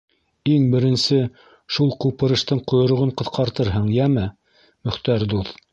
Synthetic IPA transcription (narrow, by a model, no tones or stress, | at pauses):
iŋbɘ̆ɾɘ̆nsɘ | ʃulˠqupɤ̆ɾɤ̆ʃt̪ɤɴqŏjŏɾŏʁɤɴqɤ̆θqɑɾt̪ɤɾɦɤɴjæmɘ | mɵ̆χt̪æɾd̪uθ